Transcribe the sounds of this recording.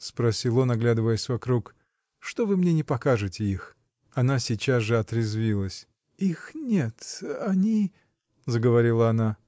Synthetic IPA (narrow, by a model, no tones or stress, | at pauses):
spɾɐsʲilˠonɐɡlʲad̪ɨvəjəsʲvɐkɾuk | ʂt̪o̞vɨmnʲenʲɪpɐkaʐɨtʲɪix | ɐn̪asʲɪt͡ɕasʐɨɐt̪ɾʲɪzvʲilˠəsʲ | ixnʲet̪ɐnʲi | zəɡəvɐɾʲilˠəɐna